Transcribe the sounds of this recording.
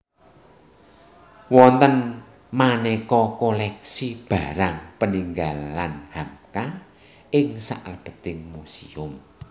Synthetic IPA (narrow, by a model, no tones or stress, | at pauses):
wɔnt̪ən | manɛkɔkolɛksib̥a̤ɾaŋpəniŋɡalanhamka | ɪŋsa̰ʔrəb̥ə̤t̪ɪŋmusiʊm